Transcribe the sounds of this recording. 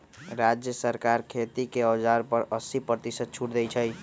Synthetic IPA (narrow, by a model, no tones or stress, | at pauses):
ɾad͡ʒjəsəɾkaɾkʰet̪ikeəd͡ʒaɾpəɾəsipɾət̪isət̪̚t͡ʃʰuʈd̪ɛt͡ʃʰəj